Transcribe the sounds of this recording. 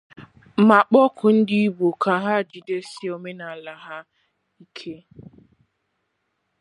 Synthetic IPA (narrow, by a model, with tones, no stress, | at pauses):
ma˨k͡pɔ˦kʰʊ˨n̩˦dɪ˦i˦bo˨ka˨ɦa˦˨d͡ʒi˨de˦si˦o˨me˦na˨a˨la˨ɦa˦ | i˦kʰe˦